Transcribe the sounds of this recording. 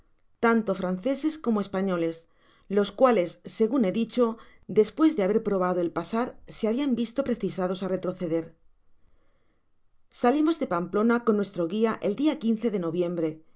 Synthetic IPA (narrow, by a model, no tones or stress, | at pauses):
t̪ant̪o̞fɾanθe̞se̞sko̞moe̞spaɲo̞le̞s | lo̞skwale̞sːe̞ɣune̞ðit͡ʃo̞ | d̪e̞spwe̞zðe̞aβ̞e̞ɾpɾo̞β̞að̞oe̞lpasaɾseaβiambist̪o̞pɾe̞θisað̞o̞sare̞t̪ɾo̞θe̞ðe̞ɾ | salimo̞zðe̞pamplo̞nakonːwe̞st̪ɾo̞ɣiaʔe̞ld̪iakinθe̞ðe̞no̞βjẽ̞mbɾe̞